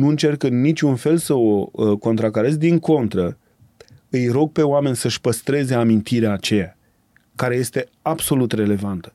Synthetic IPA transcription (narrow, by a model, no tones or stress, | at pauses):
nuɨnt͡ʃe̞rkɨnːit͡ʃʲunfe̞lsəoko̞nt̪ɾakəɾe̞zd̪iŋko̞nt̪ɾə | ɨjɾo̞ɡ̚pe̞oame̞nʲsəʃʲpəst̪ɾe̞ze̞amint̪iɾeaːt͡ʃe̞ja | kaɾe̞je̞st̪e̞ | ab̥so̞lut̪re̞le̞vant̪ə̥